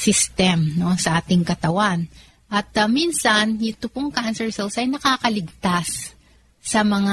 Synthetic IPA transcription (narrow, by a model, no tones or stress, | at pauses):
sɪst̪ɛmno̞sɐʔaːt̪ɪŋkɐt̪ɐwan | ʔɐt̪̚minsɐnʔɪt̪ʊpoŋkansɛɹsɛlsɐjnɐkaːkɐlɪɡ̚t̪asː | ɐmɐŋa